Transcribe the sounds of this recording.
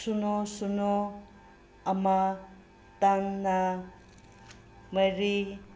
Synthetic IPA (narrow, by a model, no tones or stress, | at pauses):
sunosuno | ama | taŋna | mɐɾi